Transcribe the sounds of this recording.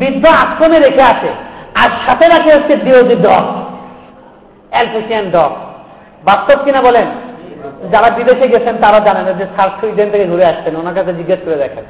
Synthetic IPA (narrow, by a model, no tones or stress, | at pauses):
bid̪ʱːoakːɾomeɾekʰeaʃʰeaɾʃat̪ʰeɾakʰeoʃt͡ɕʰed̪ibod̪iɖɔ̰k | ɛlpʰeʃianɖɔk | bast̪ob̚kinabɔlen | d͡ʑaɾabid̪eʃeɡɛt͡ɕʰent̪aɾaod͡ʑanenad͡ʑesaɾsʰuid̪ent̪ʰekeɡʱuɾeaʃt̪enonaɾkaed͡ʑiɡːaʃkoɾed̪ɛkʰen